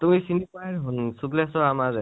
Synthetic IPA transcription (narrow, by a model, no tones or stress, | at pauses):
tumisinipajɹɦɔnsuplɛsɔamazɛ